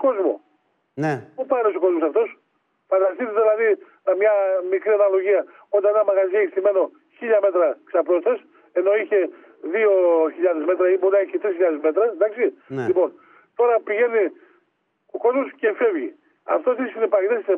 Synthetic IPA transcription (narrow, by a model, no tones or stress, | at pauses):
ko̞zmo̰ | npupɐɾisoko̞zmosɐft̪o̞s | fɐd̪ɐst̪it̪eðilɐði | nɐmɲɐmikɾiɐnɐlo̞ʝiɐ | ot̪eenɐmɐɣɐzieçst̪ime̞no̞ | çiʎɐme̞t̪ɾɐksɐpɾo̞st̪ɐs | e̞no̞içe̞ | ðio̞çiʎɐðezme̞t̪ɾɐiboɾinɐeçit̪ɾisçiʎɐðezme̞t̪ɾɐd̪ɐksillipo̞n | t̪o̞ɾɐpiʝe̞ni | oko̞zmosce̞fe̞vʝi | ɐ̰ft̪ost̪isinepɐese